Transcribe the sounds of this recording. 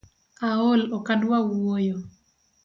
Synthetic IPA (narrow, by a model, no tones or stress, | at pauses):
aolɔkandwawojo